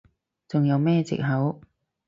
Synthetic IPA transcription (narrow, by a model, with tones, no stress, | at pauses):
t͡sʊ˨ŋjɐ˨˧wmɛː˥˧t͡sɪ̰˨k̚ɦɐ˨˥w